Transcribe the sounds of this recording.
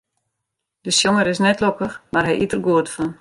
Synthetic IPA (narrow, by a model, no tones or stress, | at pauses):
d̥əsjoŋəɾɪsnɛtlokəxmarɦɛjʔitərɡuətəfən